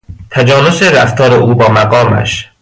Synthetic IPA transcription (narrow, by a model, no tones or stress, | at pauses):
t̪ʰæd͡ʒɒːnoseɾæft̪ʰɒːɾeʔuːbɒːmæɣɒːmæ̰ʃ